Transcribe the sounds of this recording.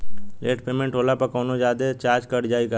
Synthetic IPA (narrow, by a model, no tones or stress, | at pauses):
leːʈpeːmẽɳʈɦoːlapəkɔːnod͡ʒjaːd̪et͡ʃaːɾd͡ʒkəɽd͡ʒaːika